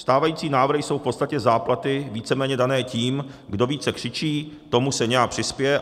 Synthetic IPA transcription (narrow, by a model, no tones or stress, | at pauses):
st̪aːvajiːt͡siːnaːvɾr̩ɦɪjso̞wfpo̞t̪st̪acɛzaːplat̪ɪviːt͡sɛmɛːɲɛdanɛːciːmɡdo̞viːt͡sɛkr̝̥ɪt͡ʃiːt̪o̞musɛɲɛjak̚pr̝̥ɪspɪjɛ